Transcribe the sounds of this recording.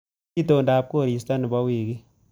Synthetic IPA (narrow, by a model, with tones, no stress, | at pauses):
i˦toː˨nda˨˦p̚ko˦˨ɾi˨sta˦ni˨ba˦wiː˨ki˦